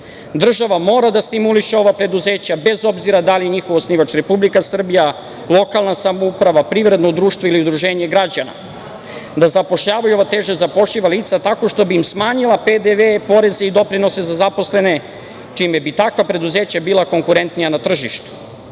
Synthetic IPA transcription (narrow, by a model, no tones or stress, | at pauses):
d̪r̩ʒaʋamo̞ːɾad̪ast̪imuliʃeo̞ʋapɾe̞d̪uze̞ːt͡ɕabe̞zo̞bziɾad̪alije̞ɲixo̞ʋosniʋat͡ʃɾe̞publikasr̩bija | lˠo̞kalˠnasamoupɾaʋapɾiːʋɾe̞d̪nod̪ɾuːʃt̪vʋoiliud̪ɾuʒe̞ːɲe̞ɡɾad͡ʑana̰ | d̪azapo̞ʃʎaːʋajuo̞ʋat̪e̞ːʒezapo̞ʃʎiʋaliːt̪sat̪ako̞ʃt̪o̞biːmsmaːɲilˠaped̪eʋepo̞ɾe̞zeid̪o̞pɾino̞se̞zazapo̞sle̞ne̞ | t͡ʃimebit̪akʋapɾe̞d̪uze̞ːt͡ɕabiːlˠako̞ŋkuɾe̞nt̪nijanat̪r̩ʒiʃt̪u̥